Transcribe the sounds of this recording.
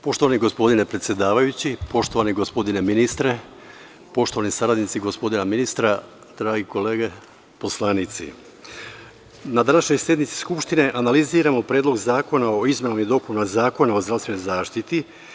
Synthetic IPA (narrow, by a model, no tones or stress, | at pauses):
poʃt̪oaniɡo̞spo̞d̪ine̞pɾe̞t̪sjed̪aːʋajut͡ɕipo̞ʃt̪o̞ʋaniɡospo̞d̪ine̞minist̪ɾe | po̞ʃt̪o̞ʋanisaɾad̪nit̪siɡo̞spo̞d̪inaminist̪ɾa | d̪̥ɾaːɡiko̞leːɡe | po̞slˠaːnit̪sḭ | nad̪anaʃɲo̞jsje̞d̪nit̪si̥skupʃt̪ine̞ʔanaliziːɾamo̞pɾeːd̪lo̞ɡzaːko̞naoizmenamid̪o̞punmazaːko̞nao̞zd̪ɾast̪ʋe̞no̞jzaːʃt̪it̪i